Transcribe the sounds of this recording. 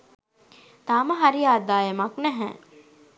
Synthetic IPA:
t̪aːməɦaɾiaːd̪aːjəmaknæɦɛ̰ː

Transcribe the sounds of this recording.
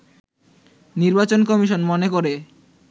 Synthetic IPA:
niɾbat͡ɕonkɔmiʃonmonekoɾe

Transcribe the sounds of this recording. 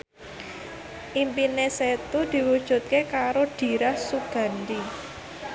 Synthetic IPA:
ʔimpineset̪ud̪̥i̤wud̥ʒ̥ṳt̪̚kekaɾoɖ̥i̤ɾahsuɡ̥a̤nd̪i

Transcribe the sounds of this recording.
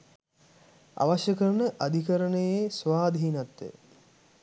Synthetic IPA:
a̰ʋaɕjəkəɾənəʔad̪ʱikəɾənəjesʋaːd̪iɦinat̪ːḛ

